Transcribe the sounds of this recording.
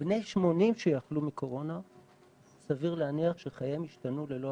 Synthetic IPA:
b̥ne̞jʃmo̞nimʃejaχlumikʰo̞ʁo̞na | saviʁleaniaχʃeχajemiʃtanule̞lo

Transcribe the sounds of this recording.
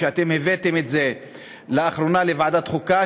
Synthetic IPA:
eat̪e̞mhevet̪emet̪ze | leaχɾo̞nalevaʕd̪at̪χuka

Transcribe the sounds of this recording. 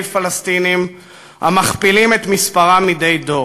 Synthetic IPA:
lfalast̪inim | ha̰maχpilimet̪mispaʁamid̪ejdo̞

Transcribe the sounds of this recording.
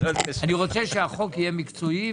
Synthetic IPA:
aniʁo̞t͡sɛʃeaχo̞kijemikt͡soi

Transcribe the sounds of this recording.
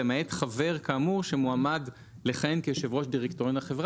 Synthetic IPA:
emaet̪χave̞ʁkaːmuʁʃemuamad | leχenkeʃevʁo̞ʃdiʁektoʁonaχevʁa

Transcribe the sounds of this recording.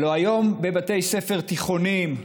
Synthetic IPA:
loajo̞mbe̞bat̪e̞jse̞fe̞ʁt̪iχo̞nim

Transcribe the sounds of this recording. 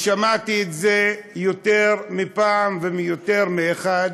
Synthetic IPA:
ʃamat̪iːt̪zejot̪eʁmipaːmvemijoteʁmeeχad

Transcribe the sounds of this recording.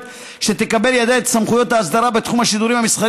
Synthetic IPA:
ʃet̪ekabe̞ljad̪eet̪samχujo̞t̪haːsd̪aɾabe̞t̪χumhaʃid̪uɾimhamisχa

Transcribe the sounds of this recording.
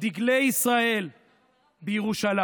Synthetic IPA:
diɡlejisʁae̞l | bejeʁuʃala

